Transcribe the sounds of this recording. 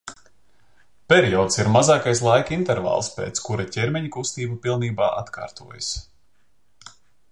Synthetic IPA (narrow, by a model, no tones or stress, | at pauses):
pʲɛɾijɔːd̪siɾmazaːkajslˠajkint̪ɛɾva̰ːlˠspḛːt̪skuɾacʲɛɾmʲɛɲkust̪iːbupilˠniːbaːʔat̪ka̰ːɾt̪uɔja̰s